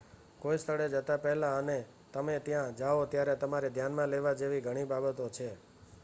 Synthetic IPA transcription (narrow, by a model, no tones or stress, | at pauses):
kojst̪ʰəɽed͡ʒət̪apɛɦlaəne | t̪əmet̪jãd͡ʒaot̪jaɾet̪əmaɾed̪ʱjanmãleʋad͡ʒeʋiɡʱəɽ̃ibabət̪ot͡ʃʰe